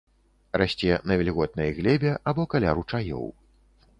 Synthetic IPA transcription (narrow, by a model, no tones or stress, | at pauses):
rasʲt͡sʲɛnɐvʲɛlʲiɣɔt̪̚nɐjɐɣlʲɛbʲɛʔabɔkalʲaɾut͡ʂajɔ̰w